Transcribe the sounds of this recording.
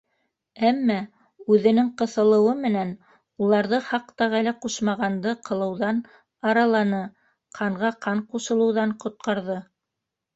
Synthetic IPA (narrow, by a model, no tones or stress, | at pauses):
æmːɑ | ʉðɘ̆nɘŋqɤ̆θɤ̆lˠɤ̆wɤmɘ̆næn | ulˠɑɾðɤχɑq̚t̪ɑʁælæquʃmɑʁɑnd̪ɤqɤ̆lˠɤ̆wðɑn | ɑɾɑlˠɑnɤ | qʰɑɴʁɑqɑɴquʃɤ̆lˠɤ̆wðɑɴqŏt̪̚qɑɾðɤ